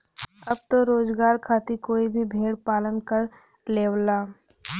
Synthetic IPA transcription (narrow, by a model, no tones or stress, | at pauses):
ɐb̚t̪oɾoːd͡ʒɡaːɾkʰaːt̪ikoːibʱibʱeːɽpaːlənkəɾ | leːwlaː